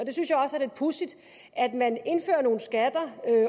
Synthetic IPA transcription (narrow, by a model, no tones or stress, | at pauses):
ɒ̽d̥e̝synsjɑ̈ɒ̽səæɐd̥e̥pʰusid̥ | æd̥mæne̝nfø̰ːɐno̝ːn̩sɡ̥æd̥ɐø